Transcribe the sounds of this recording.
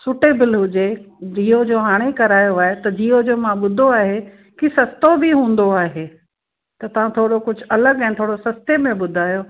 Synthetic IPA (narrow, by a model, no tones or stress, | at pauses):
sʊʈebɪlɦʊd͡ʑed͡ʑiːod͡ʑoːɦaːɽ̃ekɐɾaːjoaːɦet̪ɐd͡ʑiːod͡ʑoːmãɓʊd̪ʱoaːɦe | kisɐst̪obɪɦũːn̆d̪oaːɦe | t̪ɐt̪ɐʋ̤ãt̪ʰoːɽokʊd͡ʑʱʊ̆ɐləɡɛ̃ːt̪ʰoːɽosɐst̪emẽɓʊd̪ʱaːjoː